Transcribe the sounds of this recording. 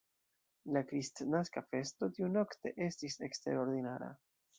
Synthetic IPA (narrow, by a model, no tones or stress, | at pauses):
lakɾist̪naskafe̞st̪o̞t̪iuno̞kt̪e̞ʔe̞stisekst̪e̞̰ɾo̞ɾd̪inaɾa̰